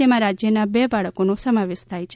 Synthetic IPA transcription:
emãɾad͡ʒjənabebaɭəkonõsəmaʋeʃt̪ʰajt͡ʃʰ

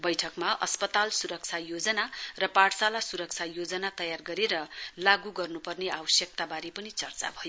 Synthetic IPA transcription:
bʌjʈʰʌkmaʔʌspʌt̪alsuɾʌk̚t͡sʰajod͡zʌnarʌpaʈsalasuɾʌk̚t͡sʰajod͡zʌnat̪ʌjarɡʌɾeɾʌlaɡuɡʌrnupʌrneabʌsjʌk̚t̪abaɾepʌnit͡sʌrt͡sa̰bʱʌjo

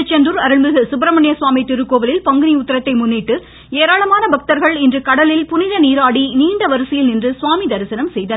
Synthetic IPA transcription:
t͡ʃːɐndɯɾɐɾɯɭmɪlɣɯsʊbɾɐmɐɳjɐsʋaːmit̪ɪɾɯkːoːʋɐlɪlpɐŋɡɯniʊt̪ːɐɾɐt̪ːɐɪmʊnːiːʈːɯ | eːɾaːɭɐmaːnɐbɐk̚t̪ɐɾɣɐɭɪndrɯkɐɽɐlɪlpʊnɪɾɐniːɾaːɽiniːɳɖɐʋɐɾɯsɐjɪlnɪndrɯsʋaːmid̪ɐɾɯsɐnɐmsɛjðɐ

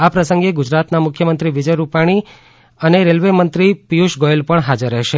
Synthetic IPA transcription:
apɾəsə̃ŋɡeɡʊd͡ʒɾat̪namʊkʰjəmənt̪ɾiʋid͡ʒəjɾupaɽ̃i | əneɾelʋemənt̪ɾipijuʃɡoelpəɳɦad͡ʒəɾːɛɦʃe

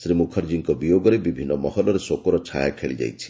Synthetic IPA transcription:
sɾimukʰɔɾd͡ʒiŋkɔbijoɡɔɾebibʱinːɔmɔɦɔlɔɾesokɔɾɔt͡ʃʰajakʰeɭid͡ʒa̰jt͡ʃʰi̥

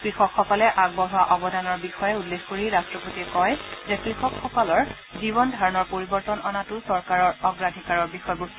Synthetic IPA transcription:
kɹixɔkxɔkɔlɛʔaɡ̚bɔɦwaʔɔbɔdanɔɹbixɔjɛulːexkoɹiɹastɹɔpotiɛkɔjzɛkɹixɔkxɔkɔlɔɹ | zibɔndʱaɹɔnɔɹpoɹibɔɹtɔnɔnatʊsɔɹkaɹɔɹɔɡɹadʱikaɹɔɹbixɔjbust

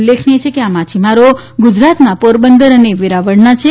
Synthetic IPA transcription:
lːekʰneet͡ʃʰekeamat͡ʃʰimaɾoɡʊd͡ʒɾat̪napoɾbənd̪əɾəneʋiɾaʋəɽnat͡ʃʰe

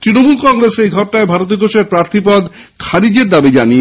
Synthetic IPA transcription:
t̪ɾinomulkɔŋɾesejɡʱɔʈ̚ʈaebʱaɾot̪̬ioɡʱoʃeɾpɾaɾt̪ʰipɔd̪ | kʰaɾid͡ʑeɾd̪abid͡ʑani

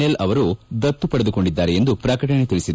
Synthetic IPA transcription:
elɐʋɐɾud̪ɐt̪ːupɐɽed̪uko̞ɳɖid̪ːaːɾeend̪upɾaːkɐʈɐɳet̪iɭisid̪

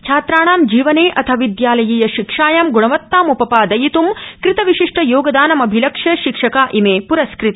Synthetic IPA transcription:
t͡ʃʰaːt̪ɾaːɳ̃aːmd͡ʒiːʋɐneːʔɐt̪ʰɐʋid̪jaːlɐjiːjɐʃikʂaːjamɡuɳɐʋɐt̪ːaːmupɐpaːd̪ɐjit̪umkɾɪt̪ɐʋiʃiʂʈʰɐjoːɡɐd̪aːnɐmɐbʱilɐkʂjɐʃikʂɐkaːʔimeːpuɾɐskɾɪt̪i̥

